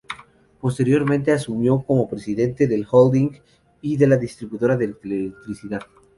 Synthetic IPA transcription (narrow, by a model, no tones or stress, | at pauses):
po̞st̪e̞ɾjo̞ɾmẽnt̪e̞asumjo̞ko̞mo̞pɾesiðe̞nt̪e̞ðe̞lxold̪iŋɡ | iðe̞laðist̪ɾiβuðo̞ɾaðelk̪eleek̚t̪ɾisiðað